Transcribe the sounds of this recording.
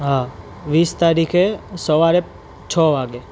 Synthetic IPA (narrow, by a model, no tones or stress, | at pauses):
ɦa | ʋiːst̪aɾikʰesəʋaɾe | t͡ʃʰɔʋaɡe